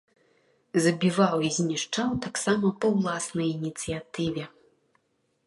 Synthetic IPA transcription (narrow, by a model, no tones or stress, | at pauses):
zɐbʲivawizʲnʲiʂt͡ʂawt̪aksamɐpɐwlˠasnɐjinʲit̪sɨjat̪ɨvʲɛ